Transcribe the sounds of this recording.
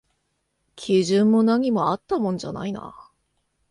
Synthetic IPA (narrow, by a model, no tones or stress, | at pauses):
kʲʰiʑɨ̃mːo̞naɲ̟imo̞at̪ːamõ̞nd͡ʑa̰na̰ina̰